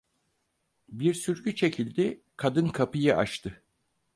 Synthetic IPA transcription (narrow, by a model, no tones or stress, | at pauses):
biɾsyɾɟyt͡ʃʰe̞cʰilʲd̪ɪ | kʰad̪ɯnkʰapɯjɯʔa̰ʃt̪ʰɯ